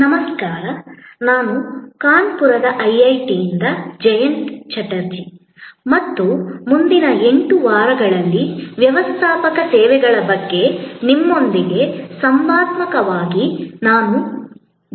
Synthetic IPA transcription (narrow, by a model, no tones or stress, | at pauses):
nɐmɐskaːɾɐnaːnukaːɳpuɾɐd̪ɐʔɐjɐjʈijind̪ɐd͡ʒɐjɐɳʈt͡ʃɐʈɐɾd͡ʒi | mɐt̪ːumund̪inɐe̞ɳʈuʋaːɾɐɡɐɭɐlːiʋjɐʋɐst̪ʰaːpɐkɐsɛːʋɛɡɐɭɐbɐɡːe̞nimːo̞nd̪iɡe̞sɐmbaːt̪mɐkɐʋaːɡinaːnu